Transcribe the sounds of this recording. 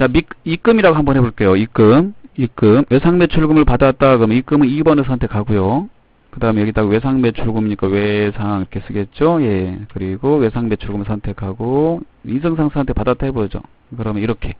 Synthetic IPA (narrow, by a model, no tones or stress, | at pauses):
t͡ɕamikik͈ɯmiɾaɡoɦambʌnɦe̞boɭk͈ejoik͈ɯmik͈ɯmwe̞sʰaŋme̞t͡ɕʰuɭɡɯmɯɭpadat͈akɯɾʌmjnik͈ɯmɯnibʌnesʰʌntʰekʰaɡojo | kɯdaːɦɯmejʌɡit͈ʰaɡowe̞sʰaŋme̞t͡ɕʰuɭɡumiɲik͈awe̞sʰaŋiɾʌkʰes͈ɯɡe̞t̚t͡ɕ͈oje̞kɯɾiɡowe̞sʰaŋme̞t͡ɕʰuɭɡɯmɯɭsʰʌntʰe̞kʰaɡo | isʰɯŋsʰaŋsʰantʰepadat͈aɦebod͡ʑo̰ | kɯɾʌmjʌniɾʌkʰe̞